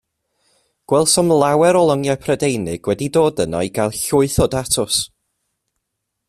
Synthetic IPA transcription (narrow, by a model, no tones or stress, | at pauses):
ɡ̥wɛlˠsɔmlˠawɛɾɔlˠɔŋjapʰrədejnɪɡ̥wɛdidoːdəna̰jɡajlˠɬʊɨθɔdatʰʊs